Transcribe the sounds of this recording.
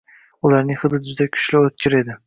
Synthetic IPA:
ʊlaɾnɪŋhɨd̪ɪd͡ʒʊd̪akʲʰʊ̥ʃlɪot̪̚kʲʰɪɾe̞d̪ɪ

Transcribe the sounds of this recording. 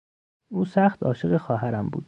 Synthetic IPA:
uːsæxt̪ʰɒ̰ːʃeɣexɒːɦæɾæmbṵːd̪̥

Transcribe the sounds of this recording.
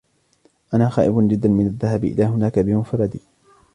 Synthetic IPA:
ʔanaːxaːʔɪbʊnd͡ʒɪd̪ːanmɪnaðːahabʔɪ̰laːɦʊnaːkabɪmʊfɑɾˤːɑd̪iː

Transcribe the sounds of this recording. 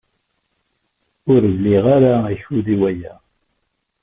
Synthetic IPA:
ʊɾvliʁaɾaæçuðiwæjæ

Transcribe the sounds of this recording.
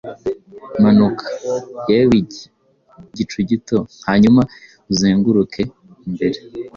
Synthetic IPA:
manukʰḁjawiɟe | ɟit͡ʃuɟitohaɲuma | uzeːŋɡuɾukʰe̞ | imbe̞ɾe

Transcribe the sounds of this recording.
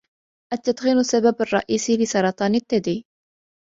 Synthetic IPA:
ʔat̪ːat̪xiːnʊsːababarˤːɑ̰ʔiːsilɪsɑɾˤɑt̪ˤɑːnɪt̪ːad̪iː

